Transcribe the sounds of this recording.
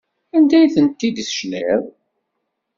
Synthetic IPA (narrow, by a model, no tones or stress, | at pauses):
ænd̪æjθənt̪ːid̪sʃleðˤ